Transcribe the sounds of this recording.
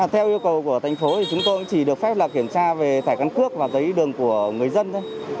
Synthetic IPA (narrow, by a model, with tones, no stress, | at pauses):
t̪ʰɛ˧wʔi˧əwkə˨˩wku˧˩ət̪ʰa˨˩jŋ̟fo˨˦t̪ʰi˨˩t͡ɕʊ˨˦ŋ͡mt̪o˧jʔŋ͡mt͡ɕi˧˩ɗɨ˨˩ək̚fɛ˦˥p̚lə˨˩kːi˧˩əmt͡ɕaː˧ve˨˩t̪ʰaː˧˩jka˧nkɨ˦˥ək̚vaː˨˩zə˨˦jɗɨ˨˩əŋku˧˩əŋɨ˨˩əjzə˧nt̪ʰo˨˦